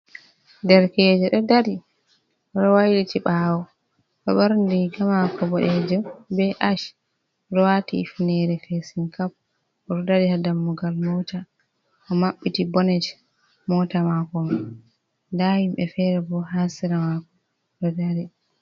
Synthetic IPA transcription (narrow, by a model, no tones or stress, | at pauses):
dɛɾkɛd͡ʒɛɗɔdaɾi | ʔɔɗɔwajɗitiɓaːwɔ | kaɓaɾndiɡamakɔbɔɗɛd͡ʒɛmbɛʔaʃ | ɾɔwatḭːfnɛɾɛfesinkap̚ | ʔɔɾɔdaɾihadamːuɡalmɔta | ʔɔmaɓːitibɔnɛd͡ʒ | mɔtamakɔma | ndahimbɛfɛɾɛbɔhansiɾamakɔ | ɗɔdaɾi